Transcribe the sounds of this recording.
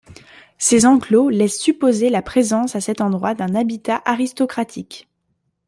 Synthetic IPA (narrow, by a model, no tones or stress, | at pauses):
sezɑ̃klolɛsːypozelapχezɑ̃sasɛt̪ɑ̃d̪ʁwad̪ɛ̃nabit̪aʔaʁist̪ɔkχat̪ʰik